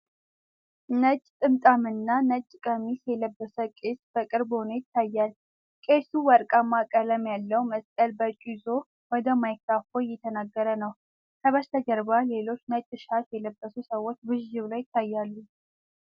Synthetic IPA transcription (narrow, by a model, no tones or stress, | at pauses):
nət͡ʃʼːt̪ʼɨmt̪ʼamɨnːanət͡ʃʼːkʼəmisjɛləbːəsəkʼe̞sb̥əkʼɨɾbono̞jɪt̪ʰːajːal | kʼe̞suwəɾkʼamːakʼələmjalːəwməst̪ʼəlbət͡ʃʼizo̞ | wɔd̪əmajɪkːafoɪjːɛt̪ʰənaɡːəɾənəw | kʰəβəst̪ʰəd͡ʒəɾbale̞lo̞t͡ʃːnət͡ʃʼːɨʃasjɛləbːəsusəwːo̞t͡ʃːbɨʒɪβlawjɪt̪ːajːalːu